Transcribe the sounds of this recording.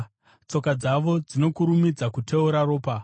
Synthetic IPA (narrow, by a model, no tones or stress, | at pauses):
t͡so̞kad͡zaʋo̞d͡zino̞kuɾumid͡zakutʰe̞uɾaɾo̞ːpa